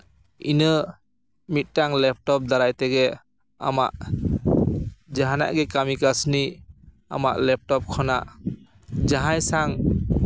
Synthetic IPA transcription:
inɯ | mit̚ːaŋlɛp̚ʰtɔp̚d̪aɾajtɛɡɛ | a̰ma̰ʔ | d͡ʒaɦana̰ʔɡɛkamikasni | a̰ma̰ʔlɛp̚tɔp̚kʰɔnaʔ | d͡ʒaɦajsaŋ

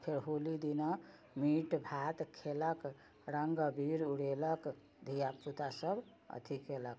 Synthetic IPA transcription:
pʰeɾɦolid̪ina | miʈbʱat̪kʰelək | ɾəŋɡəbʱiɾuɽelək | d̪ʱijaput̪asəb | ə̰t̪ʰikelək

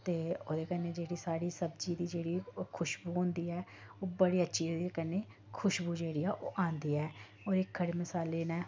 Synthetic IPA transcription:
t̪eːoːd̪eːkənːeːd͡ʒeːɽiːsaːɽiːsəbd͡ʒiːd̪iːd͡ʒeːɽiːkʰʊʃbuːɦõːnd̪iːɛː | oːbəɽiːətːʃʰiːekənːeː | kʰʊʃbuːd͡ʒeːɽiːɛːʔo̰ːʔãːnd̪iːɛː | oːɾɪkːəɽeːməsaːleːnɛ̃ː

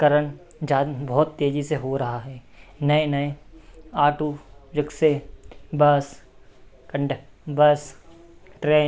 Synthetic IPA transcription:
kɐɾəñ | d͡ʒaːbɔːt̪ːeːd͡ʒiseɦoɾɐɦaɦɛː | nɐenɐeaːʈuːd͡ʒɪksebɐs | kɐ̃ɳɖ | bɐs | ʈɾeː

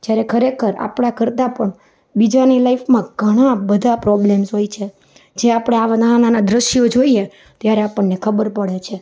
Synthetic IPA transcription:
d͡ʒjaɾekʰəɾekʰəɾa̰pɽ̃akəɾt̪apəɳ | bid͡ʒanilaifmãɡʱəɽ̃abəd̪ʱapɾɔblemsɦojt͡ʃʰe | d͡ʒeapɽ̃eaʋanaananad̪ɾəʃjod͡ʒoie | t̪jaɾeapəɳːekʰəbəɾpəɽet͡ʃʰe

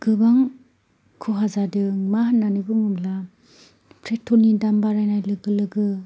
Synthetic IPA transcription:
ɡ̥ɯbaŋ | kʰɯɦazadɯmahanːanɯbɯŋɯmla | pʰɾetʰːɔnidambaɾajnajlɯɡɯlɯɡɯ

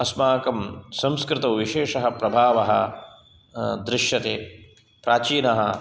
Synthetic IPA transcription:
ɐsmaːkɐmsɐmskɾɪt̪ɐwʋiʃeːʂɐɦɐpɾɐbʱaːʋɐɦɐ̆ | d̪ɾɪʃjɐt̪eː | pɾaːt͡ʃiːnɐɦɐ

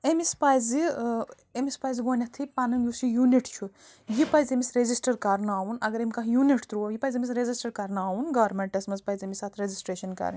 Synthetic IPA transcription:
emispajzi | emispajzɡoːnʲɐt̪ʰipɐnɐmjusijuniʈt͡ʃʰu | jipɐjzemisɾezisʈɐɾkɐɾnaːunɐɡɐɾemʲkɐɦjuniʈt̪ɾujipɐjzemʲisɾezisʈɐɾkɐɾnaːunɡɐːɾmeɳʈɐsmɐzpɐjzemisaːt̪ʰɾezisʈɾeːʃɐnkɐ̰ɾ

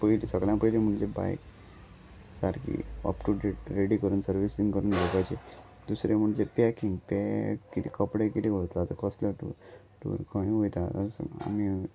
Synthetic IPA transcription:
pəilisəɡɭjãpəilim̤əɳd͡zeba̰jk | saɾkḭɔ̰pʈuɖeʈɾeɽikəɾuːnsəɾʋisĩŋɡkəɾuːndʱopajt͡ɕe | d̪usɾem̤əɳd͡zepɛkiŋɡpɛkːit̪ikəpɽekit̪iʋot̪lat̪əkəsləʈṵ | ʈṵɾkʰəĩɦojt̪at̪ə̰ɾsa̰mi

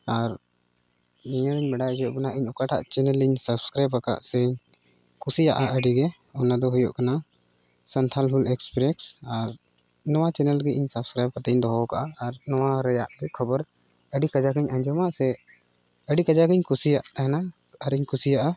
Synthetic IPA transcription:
aɾ | nijəliɲmɛɖaujɔʔbɛnaʔiɲɔkaʈʰa̰ʔt͡ʃɛnɛliɲsəbskɾajbkaka̰ʔsɛɲ | kʰusijaʔaʔəɖiɡɛ | ɔnad̪ɔɦujɔ̰ʔkana | sənt̪ʰalɦulɛkspɾɛksaɾ | nɔwat͡ʃɛnɛlɡɛʔiɲsəbskɾajb̚kat̪ɛɲd̪ɔɦɔkaʔaːɾnɔwaɾɛjaʔbɛkʰɔbɔɾ | əɖikad͡ʒakiɲʔaɲd͡ʒɔmaʔsɛ | əɖikad͡ʒakiɲkʰusijaʔɦɛna | aɾiɲkʰusijaʔa

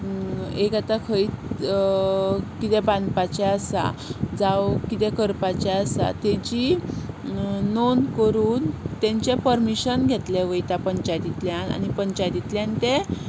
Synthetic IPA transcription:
ekat̪akʰəit͡s | kit̪ɛbãnd̪pat͡ɕɛasa̰d͡zawkit̪ɛ̃kəɾpat͡ɕɛasa̰t̪ɛd͡ʑi | onkəɾuːnt̪ɛ̃ɲt͡ɕepəɾmiɕənɡʱet̪lɛʋəjt̪apəɲt͡ɕajt̪it̪ljana̰nipəɲt͡ɕajt̪it̪ljant̪ẽ

